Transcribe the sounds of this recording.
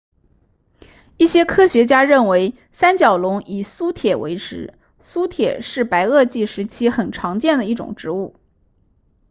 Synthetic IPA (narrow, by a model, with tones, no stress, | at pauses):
i˥˩ɕjɛ˥kʰɤ˥ɕɥɛ˧˥t͡ɕja˥ɻə˥˩nwe˧˥ɪ | sa˥nt͡ɕjɑ˨˩ʊlʊ˧˥ŋi˨˩su˥t̪ʰjɛ˨˩wḛ˧˥ɪʈ͡ʂɻ̩˧˥ | su˥t̪ʰjɛ̰˨˩ʂɻ̩˥˩pa˧˥ɪɤ˥˧t͡ɕi˥˩ʂɻ̩˧˥t͡ɕʰi˥xə˨˩nʈ͡ʂʰɑ˧˥ŋt͡ɕjɛ˥˩nd̪ə˩i˥˩ʈ͡ʂʊ̰˨˩ŋʈ͡ʂɻ̩˧˥u˥˩